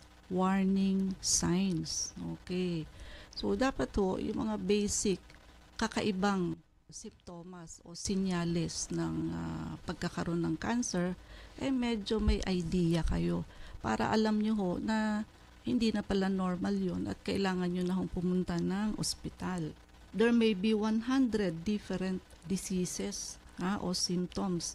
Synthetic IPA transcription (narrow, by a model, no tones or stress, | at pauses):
waɹnɪŋsajnsʔoːkɛjso̞d̪aːpɐt̪ho̞̰ʔjʊ̰ŋmɐ̰ŋabɛjsɪkː | ɐkɐʔɪbaŋ | sɪmp̚t̪o̞ːmɐsʔo̞̰sɪnɲaːlɛsnɐŋa̰pɐɡ̚kɐkɐɾo̞nːɐŋkansɛɹʔɐjmɛd͡ʒo̞mɐjʔɐjd̪iːjɐkɐ̰jo̞pa̰ːɾɐ̰ʔɐlamɲoɦo̞nɐ | hɪnd̪iːnɐpɐlano̞ɹmɐljo̞nʔɐ̰t̪̚kɐʔɪlaːŋɐnɲonɐɦo̞ŋpʊmʊnt̪anɐŋʔo̰spɪt̪al | d̪ɛɹmɛjbiwanɦand̪ɾɛd̪ːifɛɾɛnt̪̚d̪ɪsisɛshaʔo̞simp̚t̪oms